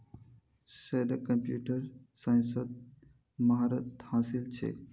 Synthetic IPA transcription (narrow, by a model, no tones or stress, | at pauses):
sed̪kəmpjuːʈəɾsãːnsəd̪̚ | maɦaɾət̪haːsɪlt͡ʃʰḛː